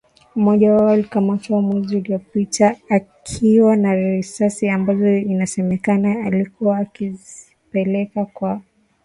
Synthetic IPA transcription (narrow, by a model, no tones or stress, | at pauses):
mɔʄawawalikamatɔwamwɛziuliɔpitʰaːkʰiwanaɾisasiambazɔinasɛmɛkanaːlikuaːkizi | pɛlɛkakwa